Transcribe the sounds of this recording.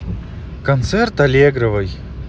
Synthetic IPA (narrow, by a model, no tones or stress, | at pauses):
kɐnt̪sɛrt̪ɐlʲeɡɾəvɨj